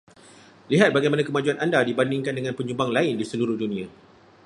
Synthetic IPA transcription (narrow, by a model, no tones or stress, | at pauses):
liɦat̪̚baɡajmanãkəmad͡ʒuanandadibandiŋkandəŋãnpəɲũbaŋlaɪndisəluɾʊhdunĩã